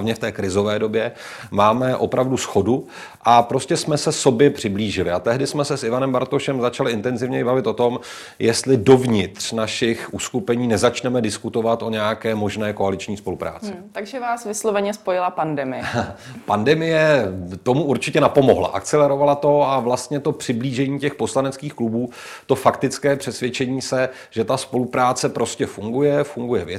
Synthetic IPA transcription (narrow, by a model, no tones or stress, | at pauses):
vɲɛft̪ɛːkɾɪzo̞vɛːdo̞bjɛ | maːmɛʔo̞pɾavdusxo̞du | ʔapɾo̞scɛsmɛsɛso̞bjɛpr̝̥ɪbliːʒɪlɪat̪ɛɦdɪsmɛsɛsʔɪvanɛmbaɾt̪oʃɛmzat͡ʃalɪʔɪnt̪ɛnzɪvɲɛjɪbavɪt̪o̞t̪o̞m | jɛst̪lɪdo̞vɲɪt̪r̝̥naʃɪxʔuːskupɛɲiːnɛzat͡ʃnɛmɛdɪskut̪o̞vat̪ʔo̞ɲɛjakɛːmo̞ʒnɛːko̞alɪt͡ʃɲiːspo̞lupɾa̰ːt͡sɪt̪aɡʒɛvaːsvɪslovɛɲɛspojɪlapandɛmɪjɛpandɛmɪjɛt̪o̞muʔuɾt͡ʃɪcɛnapo̞mo̞̰ɦla̰ʔa̰kt͡sɛlɛɾo̞valat̪o̞avlast̪ɲɛt̪o̞pr̥ɪbliːʒɛɲiːcɛxpo̞slanɛt͡skiːxklubuː | t̪o̞fakt̪ɪt͡skɛːpr̥ɛsvjɛt͡ʃɛɲiːsɛ | ʒ̥ɛt̪aspo̞lupɾaːt͡sɛpɾo̞scɛfuŋɡujɛfuŋɡujɛvjɛ